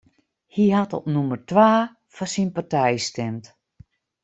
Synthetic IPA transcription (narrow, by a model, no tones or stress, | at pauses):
hihatɔpnumərtʋaː | fasinpartɛjstɛmt